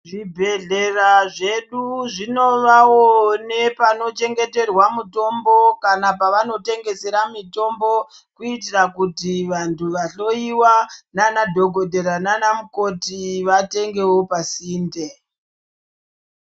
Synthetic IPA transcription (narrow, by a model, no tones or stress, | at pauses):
ʐibʱe̞ɮe̞raʐe̞ɗuʐino̞ʋawone̞pano̞t͡ʃe̞ŋɡe̞te̞rwamuto̞mbo̞kanapaʋano̞te̞ŋɡe̞se̞ɾamito̞mbo̞ | kuitirakutiʋantʰuʋaɬo̞iwananadʱo̞ɡʱo̞dʱeɾananamuko̞tiʋate̞ŋɡe̞wo̞pasiːnde̞